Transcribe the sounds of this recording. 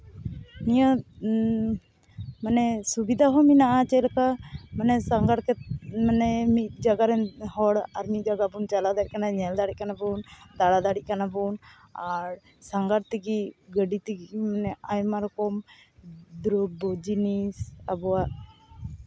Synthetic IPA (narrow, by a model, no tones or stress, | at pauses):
nija | manɛsubid̪ʱaɦɔminaʔat͡ʃɛlkamanɛsaŋɡaɽkɛmanɛmit̪̚d͡ʒaɡaɾɛnɦɔɽaɾmid͡ʒaɡabunt͡ʃalad̪ait̪̚kanaɲɛld̪aɽiʔ̚kanabund̪aɽad̪aɽiʔ̚kanabun | aɾ | saŋɡaɾt̪iɡiɡəɖit̪iɡimanɛajmaɾkɔm | d̪ɾɔbɔd͡ʒinisa̰bɔwaʔ